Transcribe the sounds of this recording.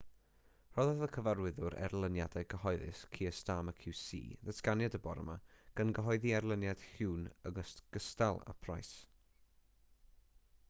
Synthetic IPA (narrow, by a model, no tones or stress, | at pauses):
r̥ɔðaðəkʰəvaɾrwɪðʊɾɛ̰rlˠənjadaɨɡəɦɔɨðɪ̰skʰiːəstaːməkʰɪwsḭːðəsɡanjadəbɔɾə̰maɡ̥anɡəɦɔɨðiɛrlˠənjad̥hɪwnəɡəstɡ̥əstalˠa̰pʰrajs